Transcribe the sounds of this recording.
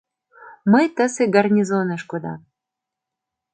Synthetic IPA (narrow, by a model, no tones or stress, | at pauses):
məjt̪əseɡarnʲizonəʃkod̪ɑ̰